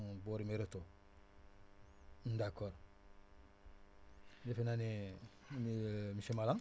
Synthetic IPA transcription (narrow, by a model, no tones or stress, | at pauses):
boɾimeɾeto | ndakːoɾ | defenane | nimisemalaŋ